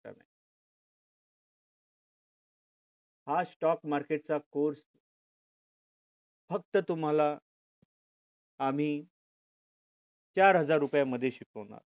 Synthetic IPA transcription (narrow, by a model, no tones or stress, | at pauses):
a̰na̰ | hasʈɔkmaɾkeʈ̚t͡sakoɾs | fək̚t̪ət̪um̤ala | am̤iː | t͡ɕaɾɦəd͡zaɾːupjaməd̪ʱjeɕikʰəʋna̰ɾ